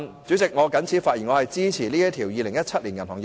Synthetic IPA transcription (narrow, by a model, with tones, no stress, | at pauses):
nt͡syː˨˥t͡sɪ˨k̚ŋɔː˨˧kɐ˨˥nt͡sʰiː˨˥faː˧t̚ji˨˩ŋɔː˨˧ɐ˨jt͡siː˥t͡sʰiː˨˩liː˥jɐ˥t̪ʰiː˨˩wjiː˨˧lɪ˨˩ŋjɐ˥t̚t͡sʰɐ˥t̚liː˨˩njɐ˨˩nhɔ˨˩ŋj